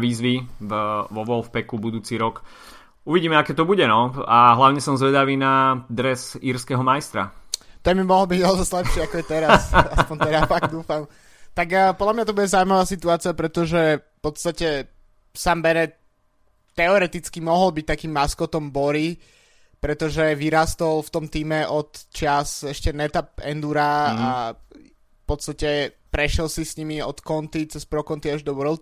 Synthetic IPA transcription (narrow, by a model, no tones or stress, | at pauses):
ʋiːzʋi | ʋɔʋɔlfpɛkubud̪uːt͡siɾɔk | uʋiɟiːmɛakɛːt̪ɔbuɟɛnɔaɦlaʊɲɛsɔmzʋɛd̪aʋiːnad̪ɾɛsiɾskɛɦɔmajst̪ɾa̰t̪ɛmimɔɦɔlbiɟɛzɔslɛpʃɪɛakɔjɛt̪ɛɾasaspɔɲɛɾafaɡd̪uːfam | t̪aɡpɔd̪lamɲat̪ɔbuɟɛzauimaʋaːsit̪uaːt͡sɪapɾɛt̪ɔʒɛfpɔt̪st̪acɛ | sambɛɾɛ | t̪ːɛɔɾɛt̪it͡skimɔɦɔlbic̚t̪akiːmːaskɔt̪ɔmbɔɾi | pɾɛt̪ɔʒɛʋiɾaːst̪ɔlft̪ɔmt̪iːmɛʔɔt̪t͡ʃɪasɛʃcɛnɛt̪ap̚ɛ̰nd̪uɾaa̰ | fpɔt̪t͡sst̪acɛpɾɛʃjɛlsisɲimiɔt̪kɔnt̪it͡sɛspɾɔkɔnt̪iaʒd̪ɔʋəɾlt̪